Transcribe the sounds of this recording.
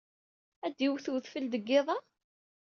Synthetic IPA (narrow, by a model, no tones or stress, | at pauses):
æd̪ːiwθuθfəld̪əɡːɪðˤɑ